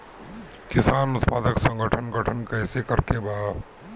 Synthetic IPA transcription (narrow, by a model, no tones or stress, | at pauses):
kɪsaːnʊt̪paːd̪əksə̃ŋɡəʈʰənɡəʈʰənkəɪsekəɾkebaː